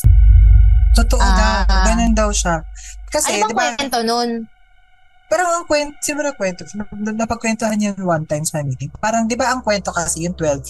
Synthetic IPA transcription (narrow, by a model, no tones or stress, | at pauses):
t̪ot̪oʔod̪aɡɐnond̪ɐwʃakɐsɛd̪ɪbbant̪onon | pɛːɾoɐŋkwɛnt̪sɪnuɾɐkwɛnt̪onɐpɐɡkwɛnt̪ohɐnjʊŋwant̪ajmsɐmiːt̪ɪŋpaːɾɐŋd̪ɪbaʔɐŋkwɛnt̪o̞kɐsɛjʊŋt̪wɛlv